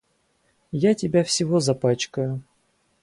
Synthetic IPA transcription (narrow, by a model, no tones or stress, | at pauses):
jatʲɪbʲafsʲɪvozɐpat͡ɕkəjʊ